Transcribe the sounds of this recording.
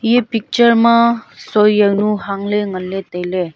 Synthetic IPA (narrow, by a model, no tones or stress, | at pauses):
jepik̚t͡ʃəɾmãsojjənuɦaŋleŋəlːet̪ejle